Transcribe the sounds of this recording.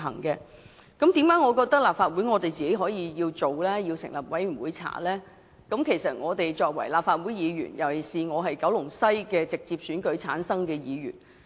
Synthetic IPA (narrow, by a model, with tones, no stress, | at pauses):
ɦɐ̰˨˩ŋkɛ˧ | kɐ˨˥mt̪iː˨˥mkaː˨˥ŋɔː˨˧kɔː˧k̚t̪ɐ˥k̚laː˨pfaː˧t̚wu˨˥jŋɔː˨˧t̪e˨˩jt͡siː˨ke˨˥jɦɔː˨˥jiː˨˧jiː˧wt͡so˨wlɛː˥ji˧wsɪ̰˨˩ŋlɐ˨p̚wɐ˨˥jmy˨˩wuː˨˥jt͡sʰa̰ː˨˩lɛː˥ | kɐ˨˥mkʰe˨˩jsɐ˨t̚ŋɔː˨˧t̪e˨jt͡sɔː˧k̚wɐ̰˨˩jlaː˨p̚faː˧t̚wu˨˥jiː˨˧ɥy̰ː˨˩njɐ˨˩wsiː˨ŋɔː˨˧ɦɐ˨jkɐ˨˧˥wlʊ˨˩ŋsɐ˥jkɛː˧t͡sɪ˨k̚t͡siː˧p̚syː˨˥nkɵ˨˥t͡sʰa̰ː˨˥nsɐ˥ŋkɛː˧jiː˨˧ɥy̰ː˨˩n